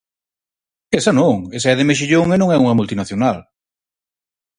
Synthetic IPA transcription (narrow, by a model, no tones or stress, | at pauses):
esɐnõŋesaɛðemeʃ̬iʎoŋenõŋɛuŋɐmult̪inaθjonal